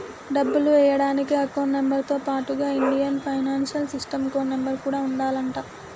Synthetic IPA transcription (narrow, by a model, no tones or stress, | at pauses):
ɖɐbːuluʋɛjɐɽaːnikiɐkoːnːembɐɾt̪oːpaːʈuɡaːiɳɖijɐnpʰɐjnaːnʃɐlsisʈɐmkoːnːembɐɾkuːɽaːuɳɖaːlɐɳʈaː